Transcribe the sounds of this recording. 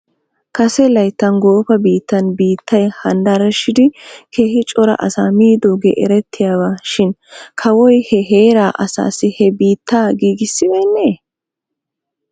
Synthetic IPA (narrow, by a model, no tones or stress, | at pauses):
kɐsɛlɐjt̪ːɐnɡo̞ːfɐbiːt̪ːɐnbiːt̪ʰːɐjhɐnd̪ɐɾɛʃɪd̪ɪkʰeːhɪt͡ʃʼɔɾɐ̰ʔɐsa̰ːmiːd̪oːɡɛʔɛɾɛt̪ʰːɪjaːbaːʃɪnkʰɐwɔjhɛɦeːɾaːʔɐsa̰ːsɪhɛbiːt̪ʰːaːɡiːɡɪsːɪbeːnːeː